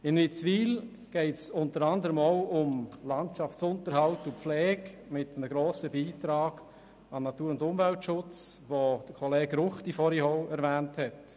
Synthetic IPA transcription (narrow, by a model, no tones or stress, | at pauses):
ɪnnit͡sʋiːl | ɡ̥ɛɪtsʊntəɾɑnd̪əɾəmoʊʊmlɑntʃɑft͡sʊntəɾhɑltupflɛːkmɪtənəɡɾoːsəbiːtɾɑːɡ̥ | ɑnɑtuːɾʊndʊmvɛltʃʊt͡sʋod̥əkʰɔleːɡɾʊχtifɔɾihɔʊɛɾvæːnthɛt